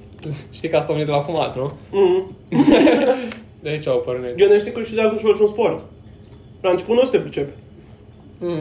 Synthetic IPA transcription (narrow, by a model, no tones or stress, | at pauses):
ʃt̪ikəast̪avenit̪lafumat̪num̩h̩ | d̪ait͡ʃaopərned͡ʒoneʃt̪ikəʃid̪at̪uʃvot͡ʃʲunsport̪ | ɾant͡ʃe̥putnost̪epɾʲit͡ʃepe